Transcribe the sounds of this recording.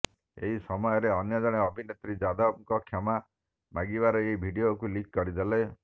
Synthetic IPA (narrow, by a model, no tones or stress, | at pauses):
ḛɦisɔmɔjɔɾeɔnjɔd͡ʒɔɽ̃eɔbʱinet̪ɾid͡ʒad̪ɔbŋkɔkʰɔma | maɡibaɾɔeibʱiɖiokulik̚kɔɾid̪ele